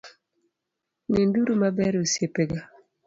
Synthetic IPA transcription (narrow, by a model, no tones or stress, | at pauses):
ninduɾumabɛɾosjepeɡa